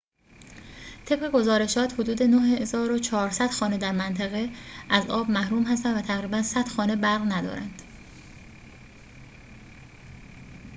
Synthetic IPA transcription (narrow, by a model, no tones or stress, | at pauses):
t̪ʰe̞b̥ɣe̞ɡo̞zɒːɾe̞ʃɒːt̪ʰhod̪uːd̪e̞noheezɒːɾot͡ʃʰɒːɾsæd̪̥xɒːne̞d̪æɾmænt̪ʰæɣeʔæzɒːbmæhɾuːmhæst̪ænvæt̪ʰæɣɾiːbænsæd̪̥xɒːne̞bæɾɣnæd̪ɒ̰ːɾæ̰nd̪̥